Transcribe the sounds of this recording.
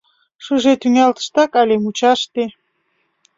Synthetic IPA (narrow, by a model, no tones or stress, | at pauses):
ʃəʒet̪yŋɑlt̪ə̥ʃt̪ɑkɑlʲemut͡ɕɑʃt̪e